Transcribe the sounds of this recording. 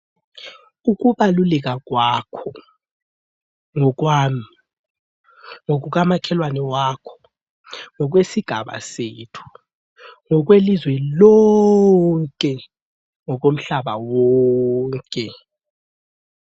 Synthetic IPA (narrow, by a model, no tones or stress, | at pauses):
uk̬uɓalulɛk̬ak̬wakʰɔ | ŋɔk̬waːmi | ŋok̬uk̬amakʰɛlwanɛwaːkʰɔ̥ | ŋɔk̬wesiɡ̥ʱaɓa̰seːtʰu̥ | ŋɔk̬welizwɛlɔ | ŋkʼɛ | ŋɔk̬om̩ɬaɓawɔŋŋkʼɛ